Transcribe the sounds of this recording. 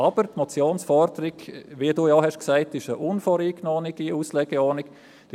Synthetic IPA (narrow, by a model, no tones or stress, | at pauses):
ɑb̥əɾtmɔt͡sjoːnsfɔɾdəɾɪɡʋiəduːjɑɦɛʃksæɪtɪʃəʔʊnfoːɾiːknoːniɡ̥iuːslɛɡ̥ɛɔːnɪk | d̥